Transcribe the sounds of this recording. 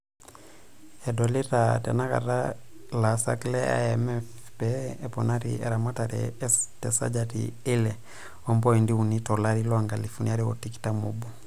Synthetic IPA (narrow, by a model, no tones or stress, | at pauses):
ɛdɔlitatɛnaka̰talasa̰klɛa̰ɛmɛfpɛɛpɔnaɾḭɛ̰ɾamataɾɛ̰tɛsa̰d͡ʒatḭelɛ | ɔmbɔindiunitɔlaɾilɔaŋɡalifuniaɾio̰tiki̥tamobu